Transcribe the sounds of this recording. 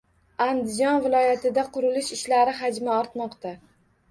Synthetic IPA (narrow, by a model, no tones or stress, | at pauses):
and̪ɪd͡ʒɒnvɪlˠɒjat̪ʰɪd̪aqʰʊɾɪlɪʃɪʃlaɾɪɦad͡ʒmaɒɾt̪mɒqt̪a